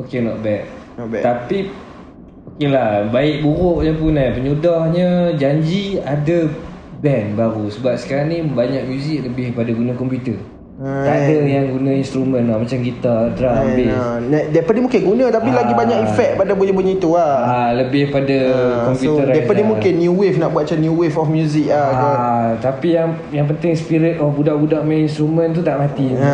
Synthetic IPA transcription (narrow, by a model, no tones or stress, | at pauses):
okenɔʔ̪̚bɛk̚ | ɔbɛt̪api | okelahbaɪʔ̚buɾʊʔɲəpʊnapəɲudɔhɲəd͡ʒaɲd͡ʒiada | bɛnbaɾusəbap̚sə̥kaɾaŋnibaɲak̚mjuzɪk̚ləbɪhpadaɡunãkɔmpjut̪ər | adəjaŋɡunãinst̪ɾumə̃nlahmat͡ʃamɡit̪adɾaambɪnadapadimũŋkɪnɡunãt̪apilaɡibaɲakifɛk̚padabuɲəbuɲit̪uaaləbɪhpadakɔmpjutəɾadatpadimũŋkɪnːjuwɪfnaʔbuat̪̚t͡ʃanjuwɪfɔfmjuzɪkaaat̪apijaŋ | jaŋp̬ənt̪ɪŋsə̥piɾɪt̪̚ɔfbudaʔbudaʔmɛninst̪ɾumə̃nt̪̬ut̪aʔmat̪i